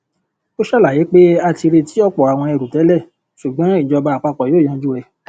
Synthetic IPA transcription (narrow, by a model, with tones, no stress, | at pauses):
to˦ʃɛ˦la˨ji˨˦k͡pe˦a˧ti˧ɾe˧ti˦ɔ˦k͡pɔ˨a˨w̃ɔ̃˧ɛ˧ɾu˨tɛ˨˦lɛ˦˨ | ʃu˨ɡ͡bã˨˦i˦˨d͡ʒɔ˧ba˧˨a˨k͡pa˧˨k͡pɔ˨jõː˨˦˨ã˨˧d͡ʒu˦ɛ˦˨